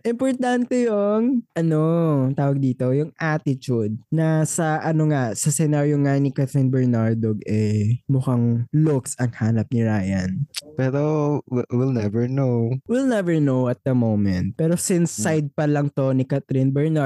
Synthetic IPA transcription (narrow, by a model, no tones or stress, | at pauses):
ʔɪmpoɹt̪ant̪ɛjʊŋʔɐnot̪aːwɐɡ̚d̪iːt̪o̞jʊŋʔat̪ɪt͡ʃud̪̚nɐsɐʔɐnoŋasɐsɛnaɾjoŋanɪkat̪ɾinbɛɹnaɹd̪oɡɛmʊkaŋlʊksɐŋhaːnɐp̚nɪɹaːjɐnpɛːɾowɪlnɛvɛɹnowwɪlnɛvɛɹnowɐt̪̚d̪ɐmowmɛnt̪̚pɛːɾosɪnsːajd̪̚pɐlɐŋt̪o̞nɪkat̪ɾɪnbɛɹna